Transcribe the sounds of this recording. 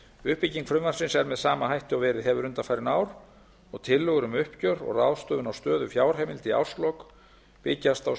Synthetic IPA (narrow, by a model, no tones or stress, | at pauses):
ʏhpiciŋkfɾʏmvan̥sɪnsɛɾmɛðsaːmaɦajht̪ɪawvɛːɾɪðɦɛvʏɾʏnt̪afajɾɪnaːwɾ | ɔɣt̪ʰɪlːʏɣʏɾʏmʏhpcœɾɔ̰ɣrawðst̪œːðʏnawst̪œːðʏfjaːwɾ̥ɦɛːmɪlt̪ia̰wslɔk | pɪcːast̪aw